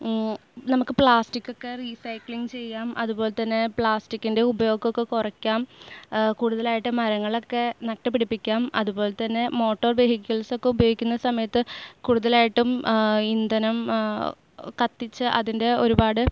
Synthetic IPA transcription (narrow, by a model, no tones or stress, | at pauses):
nɐmukːɨpɭaːstikʲːo̞kːe̞risɐjkɭiŋt͡ɕe̞jːaːmʔɐðubo̞ːlet̪ːɐnːe̞pɭaːstikːinde̞ubɐjo̞ːɡokːekurɐkʲːaːmkuːɽuðɐlaːjiʈːɨmɐɾɐŋːɐɭo̞kːe̞nɐk̚ʈːɐp̬ːiɽipːikʲːaːmʔɐ̰ðubo̞ːlet̪ɐnːe̞mo̞ːʈːoːrbe̞ːɦikʲːɐɭso̞kːe̞ubɐjo̞ːɡikʲːunːɐsɐmɐjɐt̪ːɨkuːɽuðɐlaːjiʈːumind̪ɐnɐm | kɐt̪ːit͡ɕːɨʔɐ̰ðinde̞o̞ɾubaːɽɨ